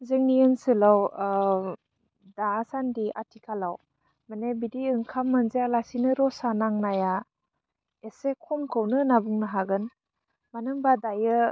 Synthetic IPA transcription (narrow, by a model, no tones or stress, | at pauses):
zɯŋniɯnsɯlaw | daːsandiʔa̰tʰikʰalaw | manebidiɯŋkʰamːɯnzejalasinɯɾɔsanaŋnaja | esekʰɔmkʰɯwnɯnabuŋnɯɦaɡɯn | manɯŋbadajɯ